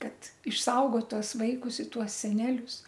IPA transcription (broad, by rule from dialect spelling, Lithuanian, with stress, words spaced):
kɐt ɪʃˈsɐʊɡoːt ˈtuɔs ˈʋɐɪkʊs ɪ ˈtuɔs sʲɛˈnʲæːlʲʊs